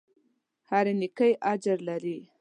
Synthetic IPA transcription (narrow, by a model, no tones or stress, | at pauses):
haɾenɪkəjʔad͡ʒɾlaɾi